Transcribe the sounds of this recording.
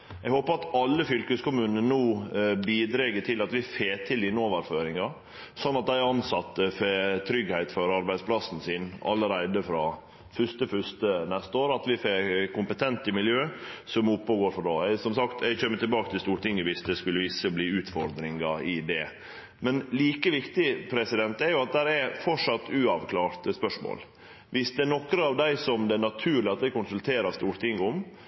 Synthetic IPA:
ʔɛɡhoːpəɾɑt̪ɑlːəfʏlkəskʊmʉːnənənuːbiːd̪ɾɛɡəʈʰɪlɑt̪ʋɪfeːt̪ʰɪlɪnoːʋəɾføːɾɪŋɑ | sɔnːɑt̪̚d̪æɪɑnsɑt̪ːəfeːt̪ʰɾʏɡhæɪt̪fɔɾɑɾbæɪd̪spʰlɑsn̩siːnɑ̰lːəɾæɪd̪əfɾɑː | fʉʂt̪əfʏʂt̪ənɛst̪əoːɾɑt̪ʋɪfeːɾkʊmpət̪ʰɛnt̪ɪmɪljøːsɔmʊpːəɡoːɾfɔɖɑːɛsɔmsɑkt̪ʰɛɡçøːmːət̪ɪlbɑːkət̪ʰɪlst̪uːɾʈ̪ɪŋːəʋɪsd̪ɛskʉlːəʋɪsːəbliːʉːt̪fɔɾd̪ɾɪŋɑɪd̪ɛ | mɛnliːkəʋɪkt̪ɪpʰɾɛsɪd̪ɛnt̪ɛɾjʊɑt̪̚d̪æɾɛɾfɔʈʂɑt̪ːʉɑʋkʰlɑːɾt̪spœʂmo̰ːl | ʋɪsd̪ɛːɳɔkɾəɑʋd̪æɪsɔmd̪ɛːɳnɑt̪ʰʉːɾɭɪɑt̪̚d̪æɪkʊnsʉlt̪ʰeːɾɑst̪uːɾt̪ʰɪŋɡʊm

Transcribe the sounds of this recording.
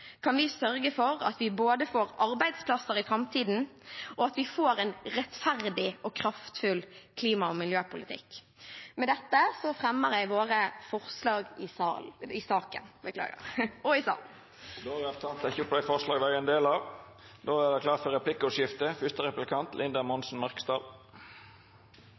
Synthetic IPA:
kʰɑnʋɪsœɾɡəfɔɾɑ̰t̪ʋɪboːd̪əfoːɾɑɾbæɪd̪spʰlɑsəɾɪfɾɑmt̪ʰiːd̪n̩ʔɔɑt̪ʋɪfoːɾɛnɾɛt̪fæɾd̪ɪɔkʰɾɑft̪fʉlkʰliːmɑɔmɪljøːpʊlɪt̪ʰɪ̰kː | mɛd̪ɛt̪ːəsɔfɾɛmːəɾæɪʋoːɾəfɔʁslɑːɡɪsɑɪsɑːkə̰nbəkʰlɑ̰ːɡə̰ʁɔɪsɑ̰ːl | d̪oːæʁɛt̪ʰɑnt̪ʰɛçʊpʰlæɪfɔʁʂlɑːɡd̪æɛnd̪eːlɑʋ | d̪oːæd̪ɛkʰlɑːɾt̪fɔɾɛpʰlɪkːʊʃjɪft̪əfʏst̪əʁɛplɪkʰɑnt̪lʔɪnd̪əmɔnsn̩mɑʁkə̥st̪ɑːl

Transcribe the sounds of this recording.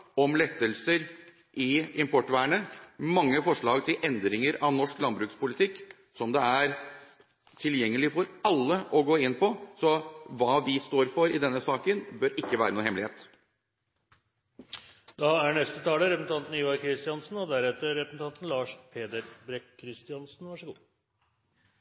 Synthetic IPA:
ɔmlɛt̪ːəlsəɾ | ʔɪɪmpʰɔʈːʋæːɳəmɑŋːəfɔʂɭɑːɡt̪ʰɪlʔɛnd̪ɾɪŋəɾɑʋnɔʂklɑnbɾʉːkspʊlɪt̪ʰɪkː | sɔmd̪ɛæɾ | t̪ʰɪljɛŋːəlɪfɔɾɑlːəɔɡoːɪnːpʰɔsɔʋɑːʋɪst̪oːɾfɔɾɪd̪ɛnːəsɑːkənbœɾɪkːəʋæːɾənuːhɛmlɪheːt̪ | d̪ɑæɳɛst̪ət̪ʰɑːləɾɛpsn̩t̪ʰɑnt̪n̩ɪːʋɑɾkʰɾɪst̪ɪɑnsn̩ɔd̪æɾɛt̪ːəɾɾɛpəsn̩ʰɑnt̪n̩lɑːʂpʰeːd̪əɾbɾɛkkʰːɾɪst̪ɪɑnsn̩ʋɑʂəɡuː

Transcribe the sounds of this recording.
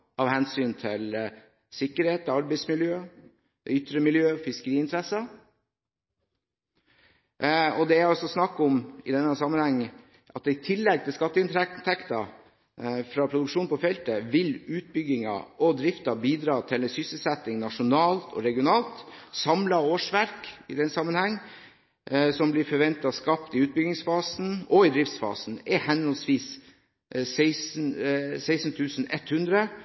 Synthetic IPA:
ʔɑʋhɛnsyːnt̪ʰɪl | sɪkːəɾheːt̪ːɑɾbɛɪsmɪljøː | d̪ɛʏt̪ːɾəmɪljøːfɪskəɾiːɪnt̪ʰɾɛsɑ | ɔd̪ɛæɔsɔsnɑkːɔmɪd̪ɛnːəhæsɑmːənhɛŋː | ʔɑt̪̚d̪ɛɪt̪ʰɪlːɛɡ̚t̪ʰɪskɑt̪ːəɪnt̪t̪ʰɛkt̪ɑ | fɾɑːpʰɾʊd̪ʉkʂuːnpɔfɛlt̪əʋɪlʉːt̪̚bʏɡɪŋɑ̰ɔd̪ɾɪft̪ɑbiːd̪ɾɑːt̪ʰɪlɛsʏsəl̩sɛt̪ːɪŋnɑʂʊnɑːlt̪ʰɔ̰ɾɛɡɪʊnɑːlt̪sɑmlɑoːʂʋæɾkɪd̪ɛnsɑmːənhæŋː | sɔmblɪɾfɔɾʋɛnt̪ɑskɑpt̪ɪʉːt̪̚bʏɡɪŋsfɑːsn̩ɔɪd̪ɾɪft̪sfɑ̰ːsn̩ɛhɛnɔlsʋiːs | sɛɪsn̩sæɪsn̩t̪ʰʉːsn̩ɛt̪hʉnd̪ɾə

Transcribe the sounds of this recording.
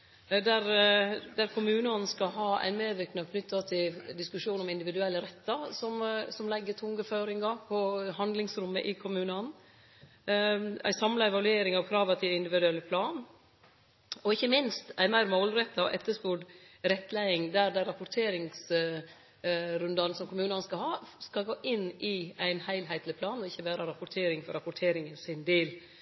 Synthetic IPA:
d̪æɾd̪æɾkʰʊmʉːnɑnskɑlɦɑːæ̰ɪnmeːʋɪknɑkʰnʏt̪ːɑt̪ʰɪld̪ɪskʉʂuːnɔmɪnd̪ɪʋɪd̪ʉɛlːəɾɛt̪ːɑsɔmsɔmlɛɡːət̪ʰʊŋɡəføːɾɪŋɑpʰɔɦɑnd̪lɪŋsɾʉmːə̰ʔɪkʰʊmʉːnɑn | æ̰ɪsɑmlɑɛʋɑlʉeːɾɪŋɑʋpʰɾɑʋɑt̪ʰiːɪnd̪ɪʋɪd̪ʉɛlːəpʰlɑːn | ɔɪçːəmɪnst̪æɪmæɪɾmoʊlɾɛt̪ːɑɔ̰ʔɛt̪ːəspuɖɾɛt̪ːlæɪɪŋd̪æɾd̪æɾɑpʊʈ̪ʰeːɾɪŋs | ɾʉnd̪ɑnsɔmkʰʊmʉːnɑnskɑlɦɑːskɑlɡoːʔɪnːɪæɪnhæɪlɦæɪt̪lɪpʰlɑːnɔɪçːəʋæːɾɑɾɑpʊʈ̪ʰeːɾɪŋfɔɾɑpʊʈ̪ʰeːɾɪŋənsɪnd̪eːl

